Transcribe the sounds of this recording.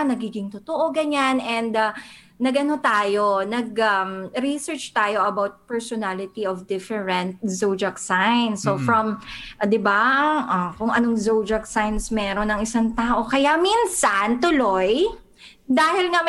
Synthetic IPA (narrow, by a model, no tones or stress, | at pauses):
nɐɡiːɡɪŋt̪ʊt̪oʔoɡɐɲanɛnd̪ɐ | nɐɡʔɐno̞t̪aːjo̞nɐɡɐɾisɛɹt͡ʃt̪aːjo̞ʔɐbawt̪̚pɛɹsonalɪt̪iofd̪ɪfɛɹɛnt̪̚zowd͡ʒɐksajnsofɹɐmʔd̪ɪbaʔɐkʊŋʔɐnoŋzowd͡ʒɐksajnsmɛːɾonɐŋɪsaŋt̪aːʔo̞kɐjaminsant̪ʊloj | d̪aːhɪlŋɐ